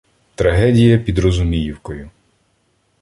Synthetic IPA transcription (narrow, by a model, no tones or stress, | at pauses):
t̪ɾɐɦɛdʲijɐpʲid̪ɾɔzʊmʲijiwkɔjʊ